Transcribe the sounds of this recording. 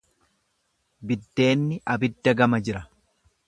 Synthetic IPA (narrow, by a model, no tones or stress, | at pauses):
bɪd̪ːe̞ːnːɪʔɐbɪd̪ːɐɡɐmɐd͡ʒɪɾɐ